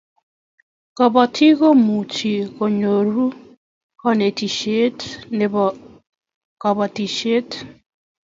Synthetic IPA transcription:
ka˨βa˨tʰi˦ɣo˦mu˨t͡ʃi˨ɣo˨ɲo˨ɾu˦ | ka˦ne˨ti˨ʃe˦tne˨β | ka˨βa˨ti˨ʃe˦t

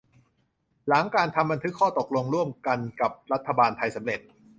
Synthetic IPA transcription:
la˩˦ŋkaː˧nt̪ʰa˧mba˧nt̪ʰɯ˦˥kʰːɔː˥˩t̪o˨˩k̚lo˧ŋɾu˥˩əmka˧nka˨˩p̚ɾa˦˥t̪ʰːa˧baː˧nt̪ʰa˧jsa˩˦mɾe˨˩t̪̚

